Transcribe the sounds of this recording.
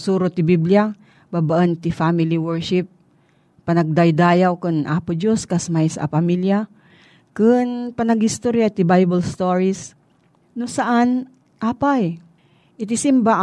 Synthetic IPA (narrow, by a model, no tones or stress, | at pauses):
suːɾot̪ɪbiblia | baːbaʔɐnt̪ɪfamɪliwɛɹʃɪp̚ː | ɐnɐɡ̚d̪ajd̪aːjawkʊnʔaːpʊd͡ʒoskɐsmajsʔa̰pɐmilja | kɨnpɐnɐɡhɪst̪oɾjat̪ɪbajbɐlst̪oɹis | nosɐʔan | ʔaːpaj | ʔɪt̪ɪsɪmba